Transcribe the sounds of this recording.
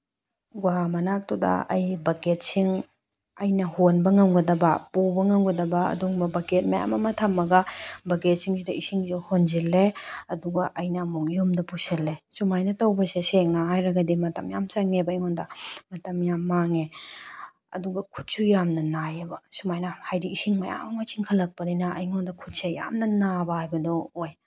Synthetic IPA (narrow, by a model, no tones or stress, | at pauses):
ɡwamɐnak̚tudɐ̰ɐ̰jbɐɡet̚siŋ | ɐjnɐhonbɐŋawɡɐdɐbɐpubɐŋawɡɐdɐbɐɐ̰duŋbɐbɐɡet̚maja̰mɐmɐtʰamːɐɡɐbɐɡet̚siŋsidɐisiŋzehonzilːeɐduɡɐʔɐjnɐmukjomdɐpuselːesumajnɐtɐwbɐseseŋaajɾɐɡɐdimɐtɐmjamt͡ʃaŋebɐːjŋɔndɐmɐtɐmjamːaŋe | ɐ̰duɡɐkʰu̥t̚sujamnɐnajebɐsumajnɐhajdiisiŋmɐja̰mɐŋosʰiŋkʰɐlːɐk̚pɐdinɐʔɐjŋɔndɐkʰut̚seja̰mnɐnabɐhajbɐdɔoj